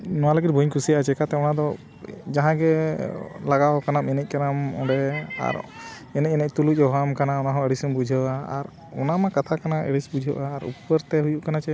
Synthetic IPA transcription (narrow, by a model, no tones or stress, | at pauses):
nɔwaləɡit̪̚bʱuɲkʰusijaʔat͡ʃɛkat̪ɛɔnad̪ɔ | d͡ʒaɦãɡɛ | laɡawkanamɛnɛc̚ˀkanamɔ̰ɖɛa̰ɾ | ɛnɛc̚ˀɛnɛc̚t̪uluc̚ˀɔɦamkanaɔnaɦɔ̃ɛɽisɔmbud͡ʒʱəʔaa̰ɾ | ɔnamakat̪ʰakanaʔɛ̰ɽisbud͡ʒʱəʔaːɾṵpəɾt̪ɛɦujuʔkanat͡ʃɛ